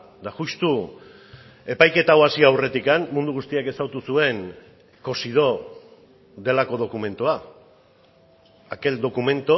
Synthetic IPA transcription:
d̪axust̪u | e̞pajke̞t̪awasiawre̞t̪ikanmund̪uɣ̞ust̪iake̞sawt̪usue̞ŋ | ko̞sið̞o̞ | d̪e̞lako̞ð̞o̞kume̞nt̪oa | ake̞ld̪o̞kume̞nt̪o

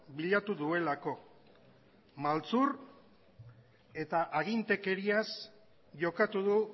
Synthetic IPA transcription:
biʎat̪uðue̞lako̞ | malt͡suɾ | e̞t̪aʔaɣint̪e̞ke̞ɾias | ʝo̞kat̪uðu

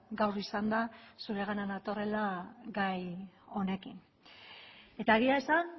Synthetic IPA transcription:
ɡawrisand̪asuɾe̞ɣananat̪o̞re̞laɡajo̞ne̞kin | e̞t̪aeɣ̞iaesan

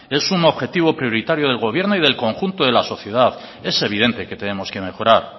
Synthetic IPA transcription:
e̞suno̞βxe̞t̪iβ̞o̞pɾjo̞ɾit̪aɾjo̞ðe̞lɣo̞β̞je̞ɾno̞ið̞e̞lko̞ŋxunt̪o̞ðe̞laso̞θje̞ð̞að | e̞se̞β̞iðe̞nt̪e̞ke̞t̪e̞ne̞mo̞ske̞me̞xo̞ɾaɾ

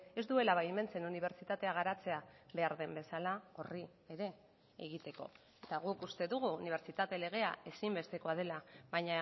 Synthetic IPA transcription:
e̞zd̪ue̞laβajeme̞nt͡se̞nuniβ̞e̞ɾt͡sit̪at̪e̞aɣ̞aɾat͡se̞aβe̞aɾðe̞mbe̞salao̞rieɾe̞ | eɣ̞it̪e̞ko̞̰ | e̞t̪aɣ̞ukust̪e̞ðuɣ̞uːniβ̞e̞ɾt͡ʃit̪at̪e̞le̞ɣ̞e̞ae̞simbe̞st̪e̞ko̞að̞e̞laβaɲa

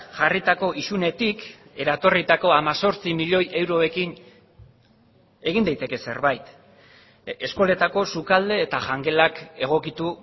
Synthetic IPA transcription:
ʝarit̪ako̞ʔisune̞t̪ike̞ɾat̪o̞rit̪ako̞amaso̞ɾt͡simiʎo̞jʔe̞wɾo̞e̞kin | e̞ɣind̪ajt̪e̞ke̞se̞̰ɾβajt̪ | e̞sko̞le̞t̪ako̞sukald̪e̞ːt̪aʝaŋɡe̞lake̞ɣ̞o̞kit̪u

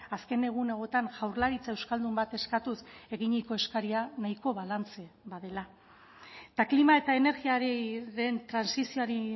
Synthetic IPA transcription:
aske̞ne̞ɣ̞une̞ɣ̞o̞t̪anʝawɾlaɾit͡sae̞wskald̪umbat̪e̞skat̪use̞ɣiɲiko̞e̞skaɾianaiko̞βalant͡se̞βaðe̞la | t̪aklimae̞t̪ae̞ne̞ɾɣiaɾeɾe̞nt̪ɾansisioaɾi

